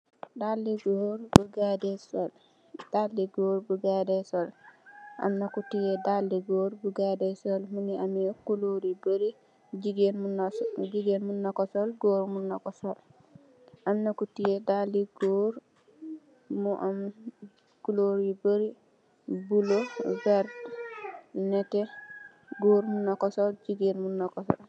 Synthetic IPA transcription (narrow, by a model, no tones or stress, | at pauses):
dalːiɡoɾbuɡadɛsɔl | d̥aldiɡoːɾbuɡadɛsɔlʔa̰mnakutijɛdaldiɡoːɾbuɡadɛsɔlminiamjɔkuloɾibəɾi | d͡ʒiɡend͡ʒiɡenmunːakɔsɔlɡoɾmunːakɔsɔl | ʔamnakutijedalːiɡoːɾ | muʔam | kuloɾibəɾi | bulobɛɾd | nɛtɛ | ɡoːɾmunɔkɔsɔld͡ʒiɡenmunːɔkɔsɔ̰l